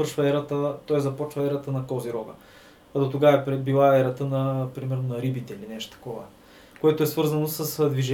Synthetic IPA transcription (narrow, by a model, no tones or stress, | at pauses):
əɾʃvəɛɾət̪ət̪ɔjzɐpɔt͡ʃvəɛɾɐt̪ənɐkɔziɾɔɡə̰ | ɐd̪ot̪oɡavəɛpɾɛd̪̚bilˠaɛɾɐt̪ənɐpɾimɛɾnonɐɾibit̪ɛilinɛʃt̪o̥t̪ɐ̥kɔvə̰ | koɛt̪oɛsvɤɾzɐnosəsd̪viʒ